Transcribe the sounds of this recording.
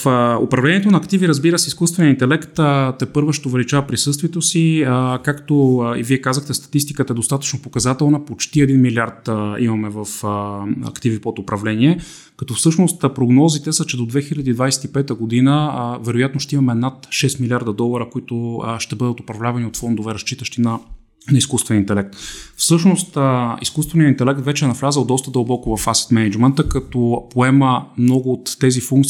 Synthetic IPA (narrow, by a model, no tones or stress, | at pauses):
fo̰pɾɐvlɛnʲiɛt̪onɐːkt̪iviɾɐzbiɾəsɛiskust̪vɛnijəint̪ɛlɛkt̪t̪ɛpɤɾvoʃt̪oʊvɛlit͡ʃavɐt̚pɾisɤst̪viɛt̪osikakt̪oḭviɛkazəxt̪ɛst̪ɐ̥t̪ist̪i̥kət̪əɛd̪ost̪at̪ə̥t͡ʃnopokɐzat̪ɛlˠnəpot͡ʃt̪iɛd̪inmiliaɾt̪imɐmɛvɐfəɐ̰kt̪ivipot̪opɾɐvlɛniɛ | kɐt̪ɔfsɤʃnost̪pɾoɡnɔzit̪ɛsət͡ʃɛd̪od̪vɛxilʲɐd̪iːd̪vajsɛ̥t̪ipɛt̪əɡod̪inəvɛɾojat̪noʃt̪ɛimɐmɛnat̪ʃɛst̪milʲiaɾd̪ɐd̪ɔlˠɐɾəkoit̪ʊʃt̪ɛbɤd̪ət̪ʊpɾɐvlʲavɐniot̪fɔnd̪ovɛɾɐst͡ʃit̪əʃt̪inɐ | nɐiskust̪vɛnint̪ɛlɛk̚t̪fsɤʃnost̪iskust̪vɛnijəint̪ɛlɛk̚t̪vɛt͡ʃɛːnɐflʲazəlˠd̪ɔst̪əd̪əlˠbɔkʊvɐfasɛ̥t̪mɛnɛd͡ʒmɛnt̪əkɐt̪ɔpoɛməmnɔɡʊːt̪ːɛzifuŋk̚t̪